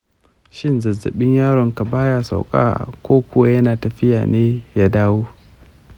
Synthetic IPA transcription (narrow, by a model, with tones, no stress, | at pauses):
ʃɪ˦nzɐ˨zɐ̰˨ɓɪ˦ɲjaː˦ɽɔ˨ŋka˨baː˦ja˦sa̰˨wkʼa̰ː˦kʷoː˦kʷʊ˦wa˦jɐ˦naː˨tɐ˨ɸɪ˦ja̰ː˨neː˦jaː˦daː˦woː˦